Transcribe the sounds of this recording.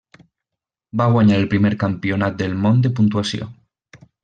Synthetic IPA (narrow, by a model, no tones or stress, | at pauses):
baɣwaɲaɾelpɾimeɾkampjonat̪̚d̪e̞lmõnd̪epunt̪wasjo̰